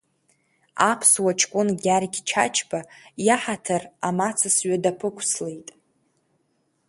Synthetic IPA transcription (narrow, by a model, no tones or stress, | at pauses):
a̰pʰswat͡ʃʰkʷʼʊnɡʲaɾɡʲt͡ʃʰa̰t͡ʃʰbajaħatʰaramat͡sʰɨsɥadapʰɨkʷʰslejtʼ